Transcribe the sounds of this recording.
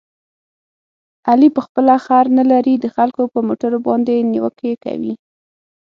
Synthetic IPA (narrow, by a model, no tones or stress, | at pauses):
alipəxpəlaxaɾnalaɾid̪əxalkopəmoʈaɾobɑ̰nd̪eniwəkeka̰wḭ